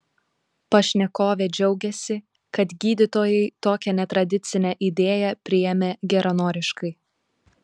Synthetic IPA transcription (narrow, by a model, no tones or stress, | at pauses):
pɐʃʲnʲɛkoːʋʲeːd͡ʒʲɛʊɡʲɛsʲɪ | kɐt̪ɡʲiːd̪ʲɪt̪oːjɛɪt̪oːkʲɛnʲɛt̪ɾɐd̪ʲɪt̪sʲɪnʲɛʔid̪ʲeːjɛpʲɾʲɪjɛmʲeːɡʲɛɾɐnoːɾʲɪʃkɐɪ